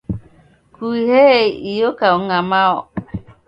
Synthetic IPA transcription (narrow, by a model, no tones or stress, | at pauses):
kuiheijokauŋamaɔ